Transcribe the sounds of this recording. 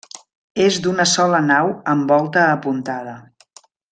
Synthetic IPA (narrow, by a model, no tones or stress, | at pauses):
ezd̪unəsɔlənawəmbɔlˠt̪əːpunt̪aðə